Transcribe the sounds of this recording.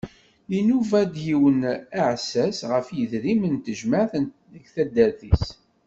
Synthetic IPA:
inuvæd̪jiwənaʕsæsʁəfjəðɾimənt̪əʒmaʕθən | əɡθæd̪ːæɾθis

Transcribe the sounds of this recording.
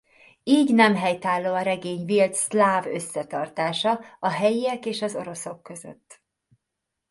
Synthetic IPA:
iːɟnɛmɦɛjt̪aːlːoːɒɾɛɡeːɲvilt̪slaːvøsːɛt̪ɒrt̪aːʃɒɒɦɛjijɛkeːʃɒzo̞̰ɾo̞so̞kːø̞zø̰t̪ː

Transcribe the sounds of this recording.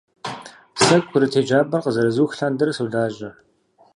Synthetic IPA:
sɐkʷʼʰʊɾɨtʰeːd͡ʒaːbɐrqəzɐɾɐzuːxɬaːndɨrsuːɮaːʑɐ

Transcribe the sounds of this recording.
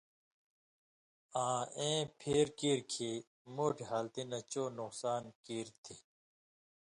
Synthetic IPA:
ãːẽːpʰeːɾkiːɾkʰi | moːʈʰiɦaːlt̪inɐt͡ɕoːnuqsaːnkiːɾt̪ʰi

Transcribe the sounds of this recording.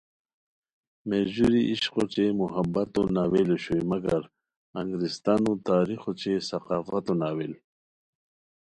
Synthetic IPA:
meʑuɾiʔiɕqot͡ɕemuɦabat̪onaweloɕojmɐɡɐɾ | ɐŋɡɾist̪anut̪aːɾixot͡ɕesɐqaːfat̪onaːwel

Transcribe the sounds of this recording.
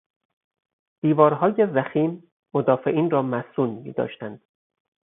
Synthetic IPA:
d̪̥iːvɒːɾɦɒːjezæxiːm | mod̪ɒːfe̞ʔiːnrɒːmæsuːnmḭːd̪ɒ̰ːʃt̪ænd̪̥

